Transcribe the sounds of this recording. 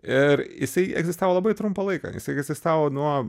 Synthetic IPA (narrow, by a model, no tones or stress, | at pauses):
ɪɾjɪsɐɪɛ̰ɡzʲɪst̪aːʋoːlˠɐːbɐɪt̪ɾʊmpɐlˠɐɪkɑ̰ːjɪ̰sɐɪɛɡzʲɪst̪aːʋoːnuɔ